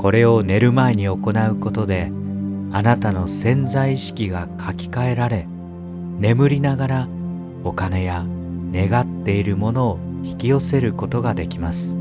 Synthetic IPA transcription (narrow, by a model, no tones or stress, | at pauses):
ko̞ɾe̞o̞ne̞ɾɯ̟maeɲ̟io̞ko̞naɯ̟ko̞t̪o̞d̪e̞ | anat̪ano̞sẽ̞nzaiɕi̥kʲiɡakʰakʲi̥kae̞ɾaɾe̞ | ne̞mɯ̟ɾʲinaɡaɾa | o̞kane̞ja | ne̞ɡat̪ːe̞iɾɯ̟mo̞no̞ː | çi̥kʲio̞se̞ɾɯ̟ko̞t̪o̞ɡad̪e̞kʲimasɨ̥